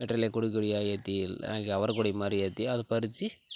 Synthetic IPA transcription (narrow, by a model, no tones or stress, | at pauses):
eʈɾelekuɽikuɽiaːjɐt̪ia̰ːŋɡeɐʋɐɾkuɽimɐɾijɐt̪iɐðupɐɾit͡ʃi